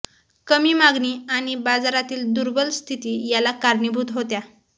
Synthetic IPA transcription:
kəmiːmaɡniːaɽ̃ibad͡zaɾat̪iːld̪uɾbəlst̪ʰit̪iːjalakaɾnibʱuːt̪ɦot̪ja

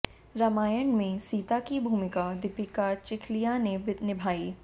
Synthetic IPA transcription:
ɾɐmaːjəɳmẽsiːt̪akibʱuːmɪkad̪ɪpɪkat͡ʃɪkʰlijanebɪnɪbʱaːiː

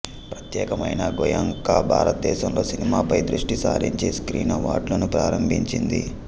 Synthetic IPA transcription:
pɾɐt̪jɛːkɐmɐjnɐɡɔjɐŋkaːbʱa̰ːɾɐt̪̚d̪ɛːʃɐmlo̞ːsinimaːpɐjd̪ɾuʂʈisa̰ːɾiɲt͡ʃeːskɾiːnɐʋa̰ːɖlɐnupɾaːɾɐmbʱiɲt͡ʃind̪ḭ

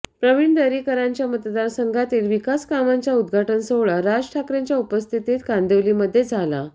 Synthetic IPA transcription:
pɾəʋiɳd̪əɾiːkəɾaɲt͡ɕjamət̪d̪aɾsəŋɡʱat̪iːlʋikaskamaɲt͡ɕjaud̪̚ɡʱaʈənsəwɭaɾad͡ʑʈʰakɾjaɲt͡ɕjaupəst̪ʰit̪iːt̪kãnd̪eʋliməd̪ʱːjed͡zʱala̰

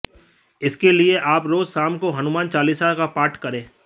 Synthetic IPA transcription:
ɪskelieʔaːpɾoːzsaːmkoɦɐnʊmaːnt͡ʃaːliːsakapaːɾʈkɐɾẽː

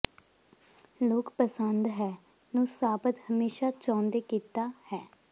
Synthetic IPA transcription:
loːkpəsənd̪ɦɛː | nũːsaːpət̪həmeːʃaːt͡ʃãːnd̪eːkiːt̪aːhɛː

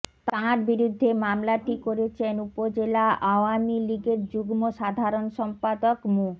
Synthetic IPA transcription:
t̪aɾbiɾud̪ʱːemamlaʈikoɾet͡ɕʰenupod͡ʑelaʔaoamiliɡeɾd͡ʑuɡmoʃad̪ʱaɾonʃɔmpad̪okmu

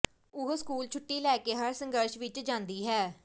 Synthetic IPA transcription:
ʊɦoskuːlt͡ʃʰʊʈːiːlɛːkeːɦəɾsə̃ŋɡəɾʃʋɪt͡ʃd͡ʒãːnd̪iːɦɛː

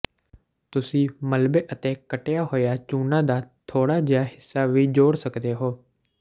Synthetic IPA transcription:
t̪ʊsĩːməlbeːʔət̪eːkəʈejaːɦoːjaːt͡ʃuːnãːd̪aːt̪ʰoːɽaːd͡ʒejaːhɪsːaːʋiːd͡ʒoːɽsəkd̪eːɦoː

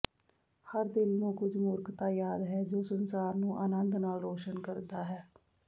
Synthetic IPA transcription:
həɾd̪ɪlnũːkʊd͡ʒmʊɾkt̪aːjaːd̪ɦɛːd͡ʒoːsənsaːɾnũːʔaːnənd̪naːlɾoːʃənkəɾd̪aːɦɛː

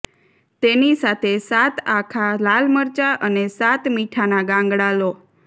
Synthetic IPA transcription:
t̪enisat̪ʰesat̪ʰakʰalalməɾt͡ʃaʔənesat̪miʈʰanaɡãŋɡɽalo

